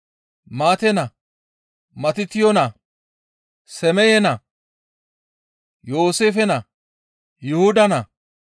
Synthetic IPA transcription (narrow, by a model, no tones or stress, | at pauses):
maːt̪ɛnɐ | mɐt̪ɪt̪ɪjɔnɐ | sɛmɛjɛnɐ | jo̞ːseːfɛnɐ | jʊhʊd̪ɐnɐ